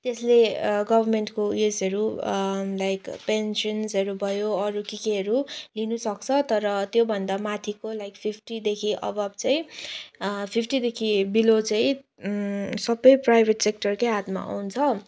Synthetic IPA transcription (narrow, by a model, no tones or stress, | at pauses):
t̪esleɡʌbʱʌrmeɳʈkoesʌɾu | lajkpensʌnsʌɾubʱʌjoʌɾukikeɦʌɾulinusʌk̚t͡sʰʌt̪ʌɾʌt̪jobʱʌnd̪amat̪ʰikolajkpʰipʰʈid̪ekʰiʔʌ̰bʌt͡saĩ | pʰipʰʈid̪ekʰibilot͡saĩ | sʌbʌjprajbʱeʈsek̚ʈʌrkojɦat̪ma̰a̰wunt͡sʰʌ